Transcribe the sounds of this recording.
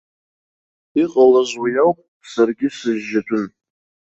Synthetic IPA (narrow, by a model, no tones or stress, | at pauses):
iqʼalazʷwajawpʼ | sarɡʲɪsɨzːatʷʼʊn